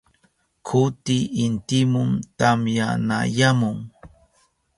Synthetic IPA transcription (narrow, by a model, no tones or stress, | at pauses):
kʰʊt̪ɪʔːnt̪ɪmʊmt̪amja̰na̰jamʊŋ